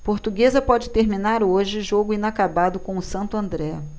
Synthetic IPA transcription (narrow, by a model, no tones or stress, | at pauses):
poɾt̪uɡezɐpɔd͡ʒɪt̪eɾminaɾoʒɪʒoɡʊĩnakabad̪ʊkõw̃ʊsɐ̃nt̪ʊɐ̃nd̪ɾɛ